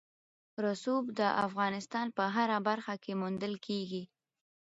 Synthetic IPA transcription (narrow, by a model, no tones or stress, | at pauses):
ɾasubd̪əʔafɣɑnɪst̪ɑnpəɦaɾabaɾxakemund̪əlkeɡi